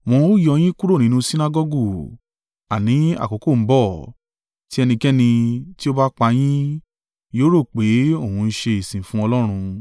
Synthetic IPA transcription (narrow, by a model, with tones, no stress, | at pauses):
w̃ɔ̃˧o˦jɔ˧j̃ĩ˦ku˦ɾo˦˨nĩ˨˦nũ˦si˦na˦ɡɔ˦ɡu˦˨ | a˨nĩ˨˦a̰˦˨ko˨˦ko˦˨m̩˦bɔ˦˨ | ti˦ɛ˧nĩ˧kɛ˦nĩ˧ti˦o˦ba˦k͡pa˧j̃ĩ˦ | joː˦ɾo˦˨k͡pe˨˦o˦˨ũ˧n̩˦ʃe˧i˨sĩ˨fũ˦ɔ˧lɔ˦ɾ̃ũ˧